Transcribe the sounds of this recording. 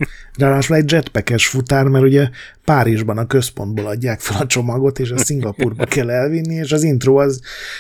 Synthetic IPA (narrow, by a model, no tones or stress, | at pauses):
raːlaːʃulɛɟd͡ʒɛt̪pɛkɛʃfut̪aːrmɛɾuɟɛpaːɾiʒbɒnɒkø̞spo̞̰nd̪boːlɒɟːaːkfølɒt͡ʃo̞mɒɡo̞t̪eːʃɒsiŋɡɒpuːrbɒkɛlːɛlvinːieːʃɒzint̪roːɒz